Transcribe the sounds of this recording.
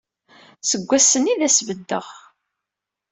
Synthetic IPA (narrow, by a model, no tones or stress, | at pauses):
səɡʷːæsəniðæsvəd̪ːəʁ